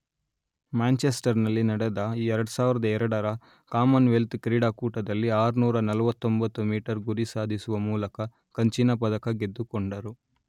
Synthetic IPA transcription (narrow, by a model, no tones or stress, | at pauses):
maːnt͡ʃesʈɐɾnɐlːinɐɽɐd̪ɐiːɛɾɐɽɐsaːʋiɾɐd̪ɐɛɾɐɽɐɾɐ | kaːmɐnʋelt̪kɾiːɽaːkuːʈɐd̪ɐlːiaːɾunuːɾɐnɐlɐʋɐt̪ːombɐt̪ːumiːʈɐɾɡuɾisaːd̪ʱisuʋɐmuːlɐkɐ | kɐɲt͡ʃinːɐpɐd̪ɐkɐɡe̞d̪ːukɔɳɖɐɾu